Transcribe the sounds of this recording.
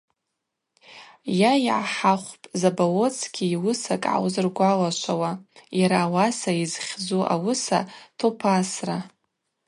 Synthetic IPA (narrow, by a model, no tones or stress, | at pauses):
jajiʕaħaχʷpʼzabawo̞t͡sʰɡʲiwʊsakʼʕa̰wzɨrɡʷalaʃʷawajaɾaːwasaizχʲd͡zuʔa̰wʊsa̰tʰopʰasra